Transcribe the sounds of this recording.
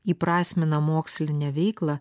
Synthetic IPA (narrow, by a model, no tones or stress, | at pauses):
iːpɾɑːsʲmʲɪnɐmoːksʲlʲɪnʲɛʋʲɛɪklˠɑ